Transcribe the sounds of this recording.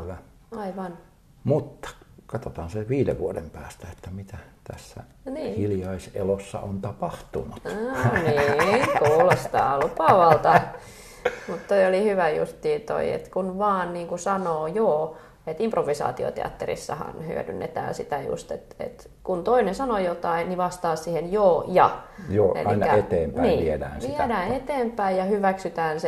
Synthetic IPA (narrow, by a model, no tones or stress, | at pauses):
ʋæ | ɑiʋɑn | mut̪ːɑ̥kɑt̪ot̪ɑːnseʋiːdḛʋʋuodempæːst̪æet̪ːæmit̪æt̪æ̰sːæ̰ | niːhiljɑisḛlosːɑ̰ont̪ɑpɑht̪unut̪niːŋkuːlost̪ɑ̰ːlupɑʋɑlt̪ɑ | mut̪t̪oiolihyʋæjṵst̪ːiːt̪o̰iḛt̪kunʋɑːnniːŋkusɑnoːjoː | et̪improʋːisɑ̰ːt̪io̰t̪ḛɑ̰t̪ːerḭsːɑhɑ̰nhy̰ø̰dy̰nːḛt̪æ̰ːnsit̪æjṵst̪et̪ḛt̪ | kunt̪oinensɑnojot̪ɑinniʋɑst̪ɑːssihenjoːjɑ̰joːʔḛɑḭinɑæet̪eːmpæniːʋiedæ̰ːnsiedæːet̪eːmpæijjɑhyʋæksyt̪æːnse